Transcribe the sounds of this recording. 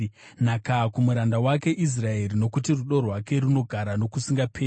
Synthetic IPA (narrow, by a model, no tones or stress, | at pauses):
nakakumuɾandawake̞ʔis̬raeɾino̞kutiruɗo̞rwake̞ɾuno̞ɡʱaɾano̞kusiŋɡapʰeː